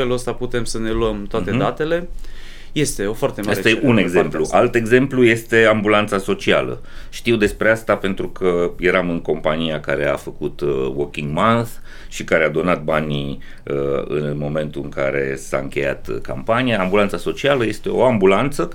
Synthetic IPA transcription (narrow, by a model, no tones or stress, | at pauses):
feluəst̪aput̪e̞msəne̞luəmt̪oat̪ed̪at̪e̞le̞ | je̞st̪e̞o̞foart̪emaaeeuneɡzempluʔalt̪e̞ɡze̞mpluje̞st̪e̞ambulant̪saso̞t͡ʃialə̰ | ʃt̪iwd̪e̞spɾeast̪ape̞nt̪ɾukʰəje̞ɾamɨŋko̞mpanijakaɾe̞a̰fəkut̪wokʲiŋɡmanθ | ʃikaɾead̪o̞nat̪̚banʲi | əɨ̰nmo̞me̞nt̪uɨŋka̰ɾe̞̰sa̰ɨ̰ŋkʲe̞̰ja̰t̪ka̰mpanijaambulant̪saso̞t͡ʃialəje̞st̪e̞o̞̰ambulant̪sə